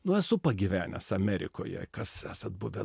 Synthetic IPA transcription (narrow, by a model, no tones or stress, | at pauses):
nʊɛsʊpɐɡʲiʋʲæːnʲɛ̰sɐmʲɛɾʲɪ̰koːjɛ̰kɐsæːsɐt̪̚bʊʋʲɛ